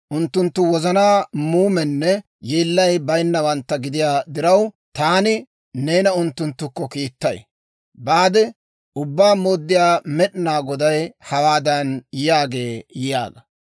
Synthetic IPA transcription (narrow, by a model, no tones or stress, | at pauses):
ʔʊnt̪ːʊnt̪ːʊwɔzɐnaːmuːmɛnːɛ | jeːlːɐjbɐjnːɐwɐnt̪ːɐɡɪd̪ɪjaːd̪ɪɾɐw | t̪aːnɪ | ne̞ːnɐʊnt̪ːʊnt̪ːʊkːɔkiːt̪ːɐj | baːd̪ɛ | ʊbːaːmoːd̪ːɪjaːmɛɗɪnaːɡɔd̪ɐjhɐwaːd̪ɐnjaːɡe̞ːjɪja̰ːɡɐ